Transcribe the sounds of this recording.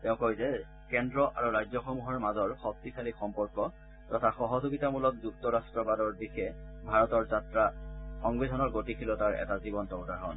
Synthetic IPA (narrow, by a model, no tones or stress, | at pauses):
tɛʊ̃koizɛ | kɛndɹɔʔaɹuɹajzɔxɔmuɦɔɹmazɔɹxɔk̚tikʰalixɔmpɔɹkɔ | tɔtʰaxɔɦɔzoɡitamulɔk̚duk̚tɔɹastɹɔbadɔɹbixɛbʱaɹɔtɔɹzatɹaxɔŋbedʱɔnɔɹɡotikʰilɔtaɹɛ̰tazibɔntɔwtaɹɦɔ̰n